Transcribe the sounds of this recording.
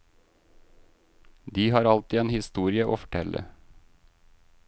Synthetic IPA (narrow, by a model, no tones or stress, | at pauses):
d̪iːhɑːɾɑlt̪iːeːnhɪst̪uːɾɪəʔo̰ːfɔ̥ʈʰɛlʔə̰